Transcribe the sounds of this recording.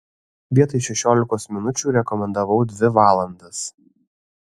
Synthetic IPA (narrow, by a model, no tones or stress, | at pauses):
ʋʲiɛt̪ɐɪʃʲɛʃʲoːlʲɪkoːsmʲɪnʊt͡ʃʲuːɾʲɛkɔmʲɛnd̪ɐʋɐʊd̪ʲʋʲɪʋɑːlˠɐnd̪ɐs